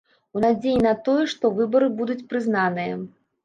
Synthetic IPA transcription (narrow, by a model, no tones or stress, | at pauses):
unad͡zʲejinɐt̪ɔjɛʂt̪ɔvɨbɐɾɨbud̪ut͡sʲpɾɨznanɨjɐ̰